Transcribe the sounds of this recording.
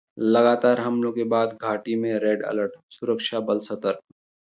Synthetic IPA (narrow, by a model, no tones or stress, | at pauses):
lɐɡaːt̪aːɾɦɐmlõkebaːd̪ɡʱaːʈimẽɾeːɖə̰ləɾʈsʊɾəkʃʰabəlsət̪əɾ